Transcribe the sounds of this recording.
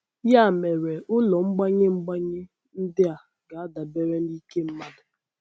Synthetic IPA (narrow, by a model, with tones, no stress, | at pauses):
ja˦˨me˨ɾe˨ʊ˦lɔ˨ŋ͡m̩˦ɡ͡ba˦ɲɪ˦ŋ͡m̩˦ɡ͡ba˦ɲɪ˦ | n̩˦dɪ˦a˨ | ɡa˨a˦da˨be˦ɾe˦n̩˦di˦ke˦m̩˦ma˦dʊ˨